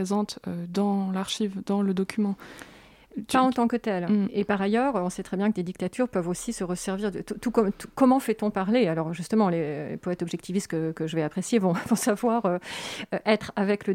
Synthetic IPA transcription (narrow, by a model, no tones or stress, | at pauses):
ezɑ̃t̪ød̪ɑ̃laʁʃivd̪ɑ̃ləd̪ɔkʲʰymɑ̃ | paɑ̃t̪ɑ̃kət̪ɛlepaʁajœːʁøɔ̃sɛt̪χɛbjɛ̃kəd̪ed̪ik̚t̪at̪ʰyʁpœvosisəʁəsɛʁviʁd̪ət̪ut̪ukɔmt̪ukɔmɑ̃fɛt̪ɔ̃paʁlealɔʁʒyst̪əmɑ̃lelḛpɔɛt̪ɔbʒɛk̚t̪ivist̪kəkəʒəvɛapχesjevɔ̃vɔ̃savwaʁøøʔɛt̪χavɛklə